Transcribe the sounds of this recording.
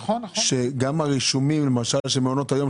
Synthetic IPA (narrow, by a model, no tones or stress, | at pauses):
ʃeɡamaʁiʃumimlemaʃalʃemeono̞t̪ajo̞m